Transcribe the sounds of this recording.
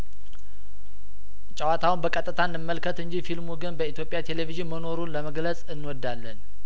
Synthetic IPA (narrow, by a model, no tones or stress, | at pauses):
t͡ʃʼəwat̪ʰawunbəkʼət̪ʼːɨt̪ʰanːɨmːəlkʰət̪ɨɲd͡ʒifilmuɡɨnbəit̪jo̞pʼjat̪ʰe̞leviʒinməno̞ɾunləməɡləsʼɨnːwɔd̪ːalːən